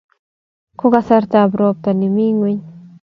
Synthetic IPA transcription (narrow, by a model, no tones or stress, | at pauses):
kʊɣasaɾt̪aːbɾoːp̚t̪anɪmiŋwɪɲ